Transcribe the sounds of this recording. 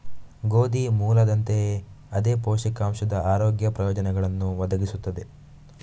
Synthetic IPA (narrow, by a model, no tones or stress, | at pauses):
ɡoːd̪imuːlɐd̪ɐnt̪e̞ | ɐd̪eːpoːʃɐkaːmʃɐd̪ɐʔaːɾoːɡjɐpɾɐjɔːd͡ʒɐnɛɡɐɭɐnːuʋɐd̪ɐɡisut̪ːɐd̪e̞